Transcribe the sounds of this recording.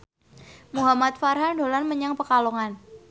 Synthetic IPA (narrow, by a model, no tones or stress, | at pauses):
muɦamat̪̚farɦandolanməɲaŋpəkalɔŋan